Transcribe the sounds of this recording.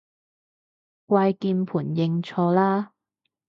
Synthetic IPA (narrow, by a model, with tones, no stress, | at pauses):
kʷaː˧jkiː˧npʰuː˨˩njɪ˧ŋt͡sʰɔː˧laː˥